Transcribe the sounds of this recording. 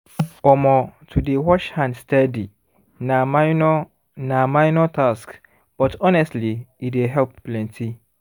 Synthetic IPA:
ɔmɔ̃tʰudewɔʃhãndstɛdi | nãmaɪnɔ | namãɪnɔtʰask | b̥ɔtɔnɛstliideɦɛlp̚ːlɛ̃ntʰi

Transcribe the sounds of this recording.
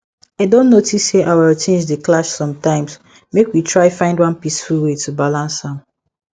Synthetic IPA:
aɪdõnːotisːeʔawɛlt͡ʃʰẽnd͡ʒdeklaʃsɔ̃mtãɪ̃ms | mekwitʰɹaɪfãɪ̃ndwɔ̃npisfulwetʰubalãnshãm

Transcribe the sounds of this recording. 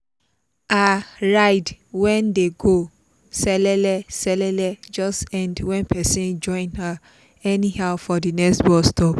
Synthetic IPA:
aɹaɪdwɛ̃ndeɡo | sɛlɛlɛsɛlɛlɛd͡ʒɔstɛ̃ndwɛ̃npʰɛsĩnd͡ʒɔ̃ɪ̃nha | ɛnihaʊfɔdinɛkstbɔstɔp

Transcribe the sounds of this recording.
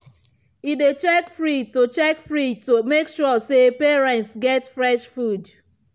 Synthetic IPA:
idet͡ʃɛkfɹitot͡ʃɛkfɹitomekʃɔsepeɹɛ̃ntsɡɛtfɹɛʃfud

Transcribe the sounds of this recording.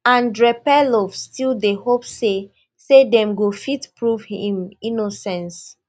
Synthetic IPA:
ãndɹɛpɛlɔvstʰildehopse | sedɛ̃mɡofitpɹuvhĩminosɛ̃ns

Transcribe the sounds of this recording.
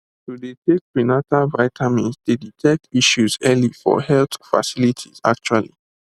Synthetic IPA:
tudetek̚ɹinatavaɪtʰamĩzdeditʰɛk̚tiʃuzɛlifɔ̰hɛlt̪fa̰silitʰḭza̰k̚t͡ʃualḭ

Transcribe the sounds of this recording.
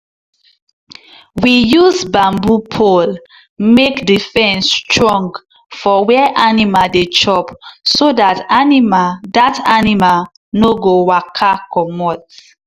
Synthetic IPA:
wijuzbãmbupʰol | mekdifɛ̃nstɹɔ̃ŋɡ | fɔwɛʔanimaldet͡ʃɔpsodatanimadatanimal | noɡowakʰakɔmɔt

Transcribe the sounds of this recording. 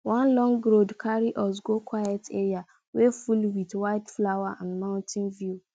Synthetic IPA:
wɔ̃nlɔ̃ŋɡɡɾodkʰaɾiʔɔs̬ɡokʰwajɛtʰeɾia | wefulwiθwaɪtflawaʔãnmãʊ̃ntʰĩnvu

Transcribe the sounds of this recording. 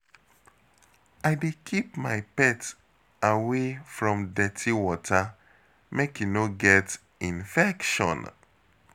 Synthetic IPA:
aɪdekʰipmaɪpɛt | awefɹɔ̃mdɛtʰiwɔtʰa | mekinoɡɛt | ĩnfɛkʃɔ̰̃n

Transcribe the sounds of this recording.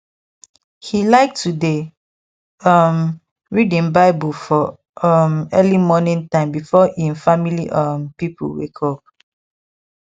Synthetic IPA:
hilaɪk̚tːude | ʌm | ɹidĩnbaɪbufɔ | ʌmɛlimɔnĩntãɪ̃mbifɔʔĩnfamilḭʔʌmpipʰṵwḛkʰɔk̚

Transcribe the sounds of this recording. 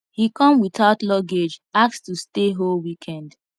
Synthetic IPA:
hikɔ̃mwitaʊtlɔɡed͡ʒak̚stusteɦolwikʰɛ̃nd

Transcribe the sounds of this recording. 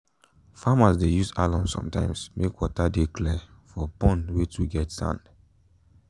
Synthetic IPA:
famasdejuza̰lɔ̃msɔ̰̃mtãɪ̃msmʔekwɔtadeklɛfɔpɔ̃ndwet͡ʃuɡɛtsã̰nd̥

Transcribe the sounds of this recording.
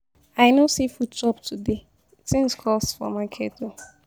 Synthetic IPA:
aɪnosifut̚d͡ʒɔptʰude | tɪ̃ŋskʰɔstfɔ̰makʰeto

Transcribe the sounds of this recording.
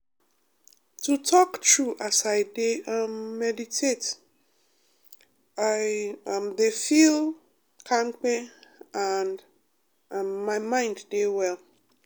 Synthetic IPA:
tʰutʰɔktʰɹuʔasaɪdeamːɛditʰet | aɪ̃mdefil | kʰãŋk͡pɛand | mːaɪmãɪ̃ndːewɛl

